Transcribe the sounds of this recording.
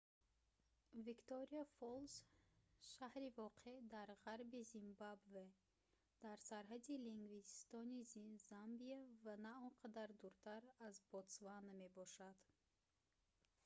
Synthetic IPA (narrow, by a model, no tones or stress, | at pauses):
vikt̪oɾiafolˠz | ʃahɾivɔqʰe̞d̪aɾʁaɾbizimbabve | d̪̥aɾsaɾɦad̪iliŋɡvist̪ɔnizzambiavanaɔnqʰad̪aɾd̪uɾt̪ʰaɾazbɔt̪svanme̞bɔʃad̪̥